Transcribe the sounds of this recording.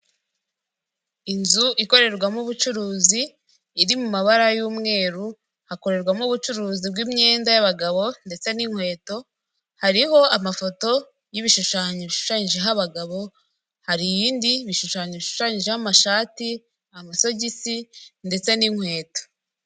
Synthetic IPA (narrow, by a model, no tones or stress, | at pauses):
inzuʔiko̞ɾe̞ɾɡwamuβut͡ʃuɾuːziː | ɾimumaβaɾajuːmŋe̞ːɾu | hakoɾe̞ɾɡwamuβut͡ʃuɾuːzib̚ɡiːmɲe̞ːndajaβaɡaβo̞nde̞t͡se̞niŋhwe̞ːto̞ | haɾiho̞amafo̞to̞ | jiβiʃuʃaːɲoβiʃu̥ʃaːɲiʒeɦaβaɡaβo̞ | haɾijiːndiβiʃuʃaːɲoβiʃu̥ʃaːɲiʒehamaʃaːti | amaso̞ɟisinde̞t͡se̞niŋ̥hwe̞ːto̥